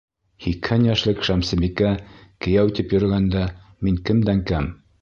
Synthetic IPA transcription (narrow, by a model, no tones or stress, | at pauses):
hikhænjæʃlˠɘkʃæmsɘ̆bikækɘ̆jæwit̪ɘpjɵ̆ɾɘ̆ɡænd̪æmiŋkɘ̆md̪æŋkæm